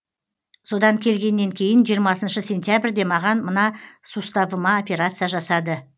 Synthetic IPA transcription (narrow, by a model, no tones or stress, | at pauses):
so̞d̪ɑŋkʲʰe̞lɡʲe̞nːe̞ŋkʲʰe̞jɪnʒijəɾmɑsənʃəsʲe̞nt̪ʲjabrʲd̪e̞mɑʁɑnmənɑsust̪ɑbəmɑo̞pʲe̞ɾat̪sɨjaʒɑsɑd̪ə